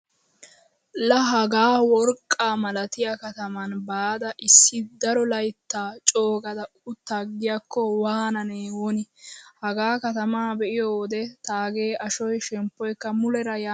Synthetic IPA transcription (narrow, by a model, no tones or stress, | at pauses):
lɐɦɐɡaːwɔɾkʼːaːmɐlɐt̪ɪjɐkɐt̪ɐmɐnbaːd̪ɐʔɪsːɪd̪ɐɾɔlɐjt̪ːaːt͡ʃʼoːɡɐd̪ɐ | ʊt̪ːaɡɪjakːɔwaːnɐneːwɔnɪhɐɡaːkɐt̪ɐmaːbɛʔɪjoːd̪ɛt̪aːɡe̞ːʔɐʃɔjʃɛmpːɔjkːɐmʊlɛɾɐja